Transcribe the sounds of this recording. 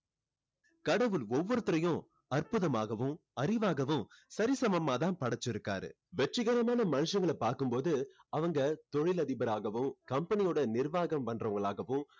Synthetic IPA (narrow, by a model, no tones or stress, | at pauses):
kɐɽɐʋɯlɔʋːɔɾɯt̪ːɯɾɐjʊ̃ | ɐrpʊðɐmaːɣɐʋɯ̃m | ɐɾɪʋaːɣɐʋɯ̃msɐɾɪsɐmɐmːaːt̪ãːnpɐɽɐt͡ʃːɪɾɯkːa̰ːɾɯ̰ | ʋɛʈrɪɣɐɾɐmaːnɐmɐnɯʂɐŋɡɐɭɛpːaːɾkɯmpoːðɯɐʋɐŋɡɐt̪ɔɻɪlɐðɪbɐɾaːɣɐʋɯmkɐmpɐnɪjoːɽɐnɪɾʋaːɣɐmʋɐndrɐʋɐŋɡɐɭaːɣɐʋɯ̃m